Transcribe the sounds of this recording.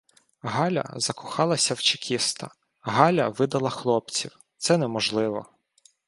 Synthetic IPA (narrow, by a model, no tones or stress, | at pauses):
ɦɑlʲɐ̰zɐkʊxɑlˠɐsʲɐwt͡ʃɪkʲʰist̪ɐ̰ | ɦɑlʲɐʋɪd̪ɐlˠɐxlˠɔp̚t͡sʲiw | t̪sɛnɛmɔʒlˠɪʋɔ